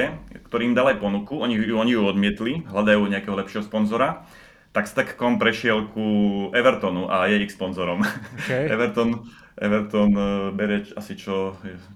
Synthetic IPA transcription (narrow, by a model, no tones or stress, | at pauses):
ɛkt̪ɔɾiːmd̪alajpɔnukuɔɲiɔɲijuɔd̪mɪɛt̪liɦlad̪ajuːɲɛakɛːɦɔlɛpʃɪɛɦɔspɔnzɔɾa | t̪akst̪akkɔmpɾɛʃɪɛlkʰuʔɛʋɛɾt̪ɔnuʔajɛixspɔnzɔɾɔmɛ̰ʋɛɾt̪ɔn | ʔɛ̰ʋɛɾt̪ɔnbɛɾɛt͡ʃasit͡ʃɔjɛ